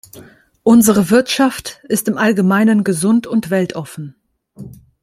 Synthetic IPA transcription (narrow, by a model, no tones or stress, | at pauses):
ʔʊnzəʁ̞əvɪɐtʃaftɪstɪmʔalɡəmaɪnənɡəzʊntʊntv̥ɛltʔɔfn̩